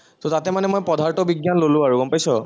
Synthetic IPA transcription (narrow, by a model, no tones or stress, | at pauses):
tɔtatɛmanɛmojpɔdʱaɹtɔbiɡjanlolʊ̃aɹuɡɔmpajsɔ